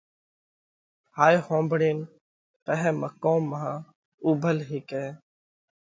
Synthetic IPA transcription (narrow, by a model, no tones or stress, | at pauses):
haːjhõːmbɽeːn | pəɦeːməkoːmːaã | uːbʱəlɦiːkeː